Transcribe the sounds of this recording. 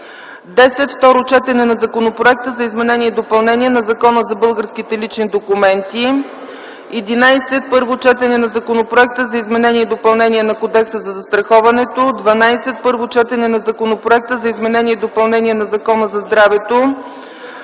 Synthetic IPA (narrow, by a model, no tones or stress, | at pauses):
d̪ɛsɛt̪ft̪ɔɾot͡ʃɛt̪ɛnɛnɐzɐkonopɾoɛk̚t̪əzɐizmɛnɛnʲiɛd̪opɐlˠnɛniɛnɐzɐkɔnəzɐbɤlˠɡəɾskit̪ɛlit͡ʃnid̪okumɛnt̪i | ɛd̪inajsɛt̪̚pɤɾvot͡ʃɛt̪ɛnɛnɐzɐkonopɾoɛk̚t̪əzɐizmɛnɛniɛd̪opɐlˠnɛnʲiɛnɐkod̪ɛksəzɐzɐst̪ɾɐxɔvɐnɛt̪od̪vɐnajsɛt̪̚pɤɾvot͡ʃɛt̪ɛnɛnɐzɐkonopɾoɛk̚t̪əzɐizmɛnɛnʲiɛd̪opɐlˠnɛnʲiɛnɐzɐkɔnəzɐzd̪ɾavɛt̪o